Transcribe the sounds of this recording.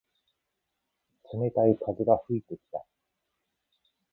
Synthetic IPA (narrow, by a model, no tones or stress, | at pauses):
sɨme̞t̪aikʰazeɡaɸɯ̟it̪e̞kʲi̥t̪a̰